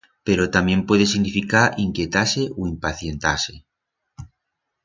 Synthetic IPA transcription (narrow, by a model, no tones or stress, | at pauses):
pe̞ɾot̪amjẽ̞mpwe̞ð̞esiɣnifikaɾʔiŋkje̞t̪ase̞ʔoimpaθje̞nt̪ase